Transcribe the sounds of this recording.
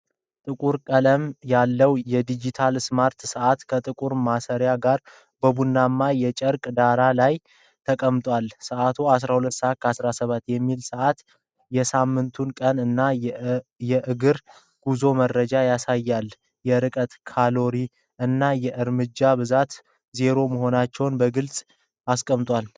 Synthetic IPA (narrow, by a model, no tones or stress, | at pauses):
t̪ʼɨkʼuɾkʼələmjalːəwjɛd̪id͡ʒit̪ʰalsmaɾt̪səʔat̪kʰət̪ʼɨkʼuɾmasəɾjaɡaɾ | bəbunːamːajɛt͡ʃʼəɾkʼd̪aɾalaj | t̪ʰəkʼəmt̪ʼwalsəʔat̪ʰoas̬ɾahulət̪ːsəat̪̚kʰəasɾasəβat̪ːjɛmːilsəʔat̪ | jɛsamːɨnt̪ʰunkʼənɨnːa | jɛʔɨɡɨɾ | ɡ̥uzo̞məɾːəd͡ʒajasajːal | jɛɾɨkʼət̪kʰalo̞ɾi | ɨnːajɛʔɨɾmɨd͡ʒːaβɨzat̪ | ze̞ɾo̞məɦo̞nat͡ʃːɛwnbəɡɨlsʼ | askʼəmt̪ʼwal